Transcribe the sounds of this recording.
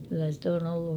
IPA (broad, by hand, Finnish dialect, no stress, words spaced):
kylːæ sĭt on olːu